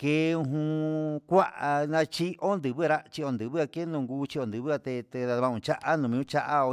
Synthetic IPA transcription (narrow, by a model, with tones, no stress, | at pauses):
ke˧˦ũ˧ɦũ˧kʷa˦ʔa˧nã˧t͡ʃi˦ʔo˦nd̪ɨ˨βɨ˦ɾa˦t͡ʃi˧o˧˨nd̪ɨ˨βɨ˦a˧ke˦nũ˧˨ŋɡuː˧˦t͡ʃi˧o˧nd̪ɨ˨βɨ˦a˧t̪e˧t̪e˧ða˧ðã˧ũ˧t͡ʃa˦ʔa˦nũ˨mĩ˧ũ˦t͡ʃa˦ʔa˦o˧